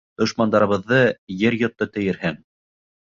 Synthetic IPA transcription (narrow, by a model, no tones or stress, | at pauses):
d̪ŏʃmɑnd̪ɑɾɤ̆βɤ̆ðːɤjɘɾjŏt̪ːɤt̪ɘ̆jɘ̆ɾhɘŋ